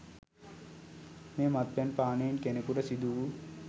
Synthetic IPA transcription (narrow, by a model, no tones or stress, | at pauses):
meːmat̪̚ʋɛnpaːnejːnkenekuɾəsid̪uu